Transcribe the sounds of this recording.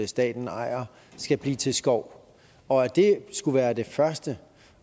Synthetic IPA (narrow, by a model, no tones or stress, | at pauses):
əsd̥ɛ̰ːd̥n̩ɑ̈ɪ̰ɐ | sɡ̥æb̥lḭːt͡sʰe̝lsɡ̥ɒʊ̰ | ɒ̽æd̥e̝sɡ̥uʋæːɐd̥e̝fɶɐsd̥ə